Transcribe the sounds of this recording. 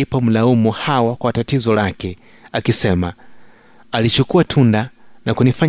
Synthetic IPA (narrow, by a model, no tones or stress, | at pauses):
ipam̩laumuhawakwatatizɔlakɛ | akisɛma | alit͡ʃukuatʰundanakunifaɲ